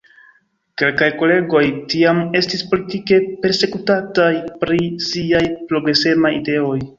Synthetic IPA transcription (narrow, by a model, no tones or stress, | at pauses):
ke̞lkajko̞le̞ɡo̞jtiame̞stispolitike̞pe̞ɾse̞kutatajpɾisiajpɾo̞ɡɾe̞se̞majide̞o̞j